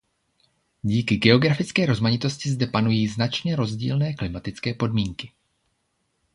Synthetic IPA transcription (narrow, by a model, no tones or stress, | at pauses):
ɟiːkɪɡɛo̞ɡɾafɪt͡skɛːɾo̞zmaɲɪt̪o̞scɪzdɛpanujiːznat͡ʃɲɛɾo̞zɟḭːlnɛːklɪmat̪ɪt͡skɛːpo̞dmiːŋkɪ̥